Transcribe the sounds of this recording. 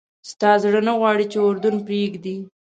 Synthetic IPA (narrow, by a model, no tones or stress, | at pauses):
st̪ɑzɽənaɣwɑɽit͡ʃeʊɾd̪ʊnpɾeɡd̪i